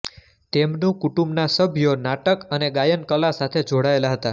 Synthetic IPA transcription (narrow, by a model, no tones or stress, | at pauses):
t̪emnũkuʈũmbnasəbʱjonaʈəkəneɡajənkəlasat̪ʰed͡ʒoɽaelaɦət̪a